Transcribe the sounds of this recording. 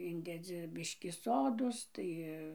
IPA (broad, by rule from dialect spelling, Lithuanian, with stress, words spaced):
ˈɪnʲdʲɛd͡zʲɪ ˈbʲɪʃʲkʲiː ˈsoːdoːs ˈtɐɪ